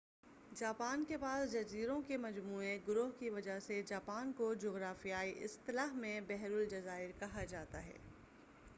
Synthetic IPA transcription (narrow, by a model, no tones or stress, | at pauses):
d͡ʒaːpaːnkepaːsd͡ʒɐziːɾõkemɐd͡ʒmuːeɡʊɾʊɦkiʋɐd͡ʒaɦsed͡ʒaːpaːnkod͡ʒoːɣɾaːfijaːiʔɪ̰st̪ɪlaːɦmẽbɛɦɾʊld͡ʒɐzaːɪɾkɐɦad͡ʒaːt̪a̰ɦɛ̰ː